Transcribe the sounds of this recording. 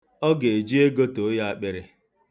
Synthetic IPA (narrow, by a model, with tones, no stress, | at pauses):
ɔ˦ɡe˨e˨d͡ʒi˦e˦ɡo˦to˨˦ja˦a˦k͡pe˨ɾɪ˨